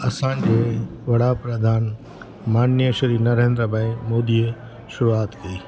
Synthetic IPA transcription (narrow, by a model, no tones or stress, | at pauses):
ɐsãːd͡ʑeʋɐɽapɾɐd̪ʱaːn | maːnjəʃɐɾiːnɐɾẽːnd̪ɾəbaːimoːd̪iə | ʃʊɾuaːt̪kɐiː